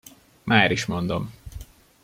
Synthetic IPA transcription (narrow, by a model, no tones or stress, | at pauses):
mʔaːɾiʃmo̞nd̪om